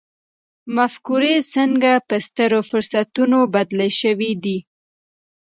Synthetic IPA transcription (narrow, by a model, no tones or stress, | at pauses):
mafkuɾesəŋɡapəst̪əɾofʊɾsat̪unobad̪ləʃəwid̪i